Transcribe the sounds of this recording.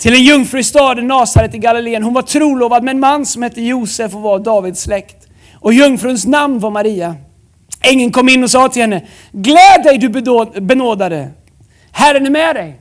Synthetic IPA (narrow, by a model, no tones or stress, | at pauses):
t̪ʰɪlɛnjɵŋfɾʉɪst̪ɑːd̪ənːɑːsaɾət̪ɪlɡalɪleːənɦʊnvaʈʰɾuːloːvad̪mɛɛnmanːsɔmhɛt̪ʰːəjuːsɛfɔvɑd̪ɑːvɪd̪slɛkt̪ | ʔɔjɵŋːfɾʉnsnamnvaɾmaɾiːa | ɪŋːənkʰɔmːɪnːɔsɑːt̪ʰɪlhɛnːə | ɡlɛːd̪ɛjd̪ɵbɛnoːd̪ad̪ə | hæɾənɪmɛːd̪ɛj